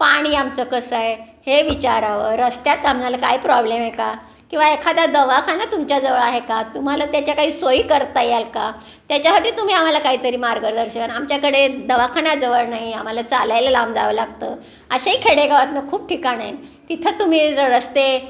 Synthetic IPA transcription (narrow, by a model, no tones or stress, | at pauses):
paɽ̃iːamt͡səkəsəe | heʋit͡ɕaɾaʋəɾəst̪jat̪amd͡zaləkaɦipɾɔblemeka | kĩw̃ʋaekʰat̪ad̪əʋakʰanat̪umt͡ɕjad͡zəʋəɭaɦekat̪um̤alat̪jat͡ɕjakaɦiːsoiːkəɾt̪ajalka | t̪jat͡ɕjaɦəʈiːt̪um̤iːam̤alakaɦiːt̪əɾiːmaɾɡəɾd̪əɾɕəaamt͡ɕjakəɽed̪əʋakʰanad͡zəʋəɾnaɦiam̤alat͡salajləlamd͡za̰ʋəlaɡ̚t̪əː | əɕaikʰeɽeɡʱaʋat̪nəkʰuːp̚ʈʰikaɽajt̪it̪ʰət̪um̤iːd͡zəɾəst̪e